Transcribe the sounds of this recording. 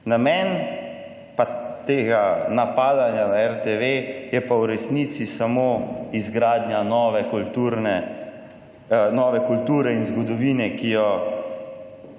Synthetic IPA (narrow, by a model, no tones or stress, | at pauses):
namɛːn | pat̪eːɡanapaːd̪anjanaɛɾt̪eʋejɛpawɾɛsnit̪sisamoːizɡɾaːd̪njanɔːʋɛkult̪uɾnɛ | nɔːʋɛkult̪uːɾɛinzɡɔd̪ɔʋiːnɛkijɔ